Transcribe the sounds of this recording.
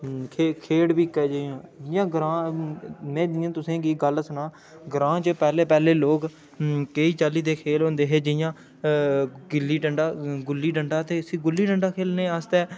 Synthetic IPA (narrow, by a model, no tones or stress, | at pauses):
kʰeːkʰeːɽbiːkːɛːd͡ʒejãːd͡ʒɪjãːɡəɾãː | mɛ̃ːd͡ʒɪjãːt̪ʊsẽːɡiːɡəlsənãː | ɡɾãːt͡ʃəpɛːleːpɛːleːloːɡ | keːiːt͡ʃaːliːd̪eːkʰeːlɦõːnd̪eːɦeːd͡ʒɪjãː | ɡɪlːiːɖəɳɖaːɡʊlːiːɖəɳɖaːt̪eːəsiːɡʊlːiːɖəɳɖaːkʰeːlneːəst̪ɛː